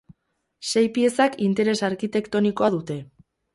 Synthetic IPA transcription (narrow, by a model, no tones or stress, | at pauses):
se̞jpie̞sakint̪e̞ɾe̞saɾkit̪e̞kt̪o̞niko̞aðut̪e̞